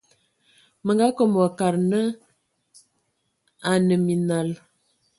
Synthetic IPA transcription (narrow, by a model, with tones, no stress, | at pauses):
mə˨ŋɡa˦kɔ˨m˨ə˨ka˨ɾnə˦ | a˨nə˨mi˨na˨l